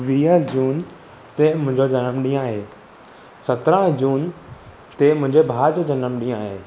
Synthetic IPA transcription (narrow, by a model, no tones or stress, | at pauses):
ʋiːəd͡ʑuːn | t̪emʊ̃ɪ̃ɲd͡ʑod͡ʑɐnəmɗĩːə̃aːɦeː | sɐt̪ɾə̃d͡ʑuːn | t̪emʊ̃ɦɪ̃ɲd͡ʑebʱaːd͡ʑod͡ʑɐnəmɗĩːjãaːɦeː